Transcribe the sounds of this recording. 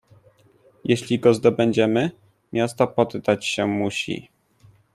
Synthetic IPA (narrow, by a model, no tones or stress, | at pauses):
jeɕlʲiɡɔzd̪ɔbɛɲd͡ʑɛmɘ | mʲjast̪ɔpɔd̪ːat͡ɕɕɛmuɕḭ